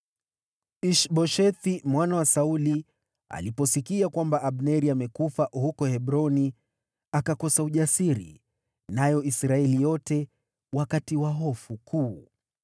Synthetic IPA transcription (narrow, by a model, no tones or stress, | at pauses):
iʃɓɔʃɛθimwanawasauli | a̰lipɔsikiakwambaʔaɓnɛɾiamɛkufahukɔhɛɓɾɔni | akakɔsauʄasiɾḭ | najɔisɾaɛlijɔtɛ | wakatiwaɦɔfukʰuː